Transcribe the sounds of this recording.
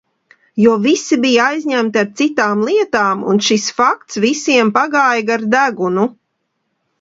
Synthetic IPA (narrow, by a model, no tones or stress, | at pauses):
juɔvisibijaajzʲɲæmt̪iaɾt̪sit̪aːmlˠiɛt̪aːmṵnʃisfak̚t̪svisiɛmpaɡaːjɡaɾd̪æɡunu